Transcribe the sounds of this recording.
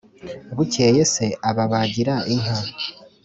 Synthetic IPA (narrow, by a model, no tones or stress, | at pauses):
βuceːjese̞ʔaβaβaɟiɾaʔiɦa